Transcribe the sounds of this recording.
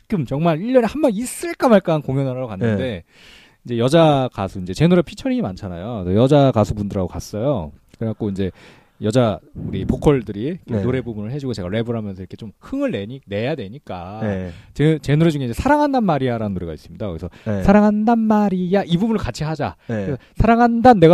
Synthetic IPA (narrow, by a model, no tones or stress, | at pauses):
kɯmt͡ɕʌŋmaɾiʎːʌɾehambʌnis͈ɯɭk͈amaɭk͈ankoŋjʌnaɾaɡokanːɯnde̞ | ind͡ʑe̞jʌd͡ʑakasʰuind͡ʑe̞t͡ɕe̞noɾepʰit͡ɕʰʌɾiɲimant͡ɕʰanajosʰʌjʌd͡ʑakasʰubundɯɾaɡokas͈ʌjokɯak͈ʰoind͡ʑe̞ | jʌd͡ʑauɾipokʰʌɭdɯɾiknoɾe̞bubunɯɭɦe̞d͡ʑuɡot͡ɕe̞ɡaɾe̞bɯɾɦamjʌnsʰʌiɾʌkʰet͡ɕomhɯŋɯɭːe̞ɲine̞jadwe̞ɲik͈a | t͡ɕet͡ɕe̞noɾed͡ʑuŋeiɲd͡ʑe̞sʰaɾaŋɦandanmaɾiaɾanɯnːoɾe̞ɡais͈ɯmɲidakɯɡisʰʌsʰaɾaŋɦandanmaɾijaʔibubunɯɭkat͡ɕʰiɦad͡ʑakesʰʌsʰaɾaŋɦandanːe̞ɡa